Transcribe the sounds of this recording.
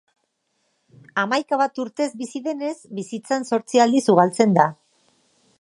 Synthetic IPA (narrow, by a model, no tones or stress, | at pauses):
amajkaβ̞at̪uɾt̪e̞zbisiðe̞ne̞zbisit͡sanso̞ɾt͡siald̪isuɣalt͡se̞nd̪a